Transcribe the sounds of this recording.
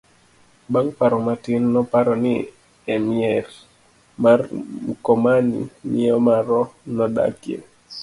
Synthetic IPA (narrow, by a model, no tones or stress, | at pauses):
baŋpaɾɔmatɪnːɔpaɾɔnɪ | ɛmiɛɾ | marmukɔmanḭmiɔmaɾɔnɔda̰kjḛ